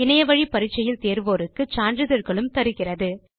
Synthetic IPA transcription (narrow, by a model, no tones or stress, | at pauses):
ɪnɐjɐʋɐɻipɐɾɪt͡ʃːɐjɪlt̪eːɾʋoːɾɯkːɯt͡ʃaːndɾɯðɐɾɣɐɭɯmt̪ɐɾɯɣɪrɐðɯ